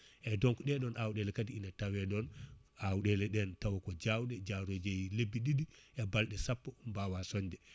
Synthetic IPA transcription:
ʔɛdɔŋkuɗɛɗɔnʔawɗɛlɛkadiinatawɛɗɔnʔawɗɛlɛɗɛntawakɔd͡ʒawɗɛd͡ʒawɾod͡ʒɛjlebːiɗidiʔɛbalɗɛsapːɔmbawasɔɲd͡ʒɛ

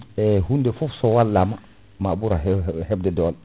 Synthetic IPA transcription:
ɛhundefɔfsowalːama | mabuɾaɦhebdedɔl

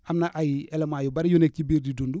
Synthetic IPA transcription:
amnaʔajiɛlemaːjubaɾijonek̚cibiːɾdidundu

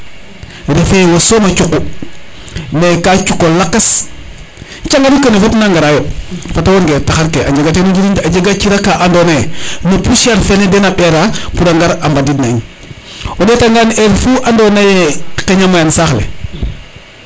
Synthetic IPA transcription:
ɾefewosoːmat͡ʃuku | nekat͡ʃukːolakːas | t͡ʃaŋɡaɾikənefatnaŋɡaɾajofatwonɡeːtaxaɾkeaɲd͡ʒeɡat̬enud͡ʒiɾintaɟeɡat͡ʃiɾakaʔandonenopuʃaɾfenedenapeɾapudaŋɡaɾambadidnaɲ | odetaŋɡaneɾfuʔandonajekeɲamajansaxlḛ

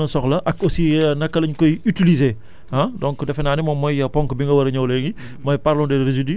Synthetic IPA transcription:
ɐsɔxlɐʔɐkosinɐkːɐlɐɲkɔjytilize | ãdɔ̃ŋkdɛfɐnaːnimɔmːɔjɐpɔŋkbiŋɡɐwɐɾɐɲɐwlɛːŋɡi | mɔjpaɾlɔ̃dɛɾezidi

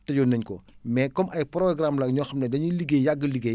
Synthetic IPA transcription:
tɐjɔnɐɲkɔ̰mɛːkɔmɐjpɾɔɡramlɐɲɔːxɐmnɐdɐɲuliɡejaɡːəliɡe

